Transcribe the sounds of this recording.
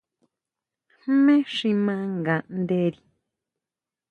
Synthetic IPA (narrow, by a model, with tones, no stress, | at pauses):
hmẽ˦ʂĩ˧mã˦ŋɡã˨˧nd̪e˦ɾi˧